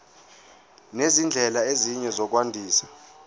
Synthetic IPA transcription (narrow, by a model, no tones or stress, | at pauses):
nezind͡ɮʱɛlaeziɲɛzɔk̬wandʱiːsḁ